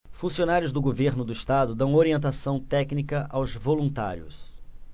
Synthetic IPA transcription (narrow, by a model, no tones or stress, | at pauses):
fũsionaɾjʊzd̪ʊɡoveɾnʊd̪ʊiʃt̪ad̪ʊd̪ɐ̃w̃oɾiẽnt̪asɐ̃w̃t̪ɛknikɐʔawzvolũnt̪a̰ɾjʊ̰s